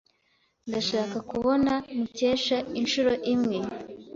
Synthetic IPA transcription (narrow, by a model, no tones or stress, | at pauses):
ndaʃaːkakuβo̞namuce̞ːʃainʃuɾo̞ʔimŋe̞